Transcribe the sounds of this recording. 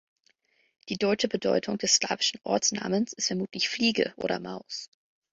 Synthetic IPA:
d̥iːdɔʏt͡ʃəbədɔʏtʰʊŋd̥ɛssla̰ːvɪʃn̩ʔɔ̰ɐt͡sna̰ːmənsʔɪ̥stfɛɐmuːtʰlɪçfliːɡə̰ʔo̰ːɾɐ̰maʊs

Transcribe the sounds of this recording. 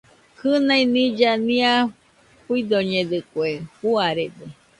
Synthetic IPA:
kʰɨnãĩnĩd͡ʒanĩã | puid̪oɲẽd̪ɨkwehuaɾed̪e

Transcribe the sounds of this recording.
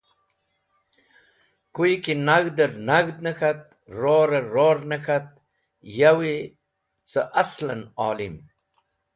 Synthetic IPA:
kujkinaɣd̪əɾnaɣd̪̚nəxat̪̚ | ɾoɾɐːoːɾnəxat̪̚ | jawi | sə̰ʔaslɐnaːlim

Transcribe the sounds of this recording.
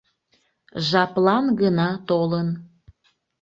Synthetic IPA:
ʒɑplɑnɡənɑt̪olən

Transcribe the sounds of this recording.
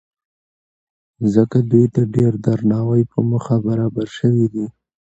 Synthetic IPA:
zəkad̪ujt̪aɖeɾd̪aɾnɑwajpəməxabaɾɑbaɾʃəwid̪i

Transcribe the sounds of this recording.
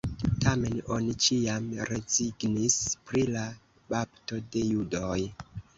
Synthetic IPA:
tame̞no̞nit͡ʃiamɾe̞ziɡnispɾila | bapto̞de̞judoj

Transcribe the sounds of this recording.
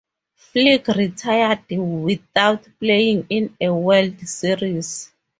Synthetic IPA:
fliɡritʰajadwiθawtʰplejĩŋĩnɛwɛldsiɹis

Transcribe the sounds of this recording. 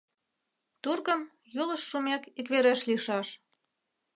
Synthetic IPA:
t̪urɣəm | jolə̆ʃːumekikβeɾeʃliʃɑʃ

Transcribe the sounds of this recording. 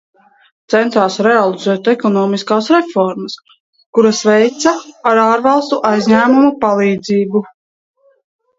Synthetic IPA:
t̪sɛnt̪aːsɾɛalˠizɛːt̪ɛkɔnɔːmiskaːsɾɛfɔɾməs | kuɾasvɛjt̪saaɾaːɾvɑlˠst̪uʔajzʲɲæːmumupalˠiːd̪ziːbu

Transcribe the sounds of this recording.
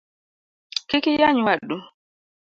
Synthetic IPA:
kikijaɲwaɗːu

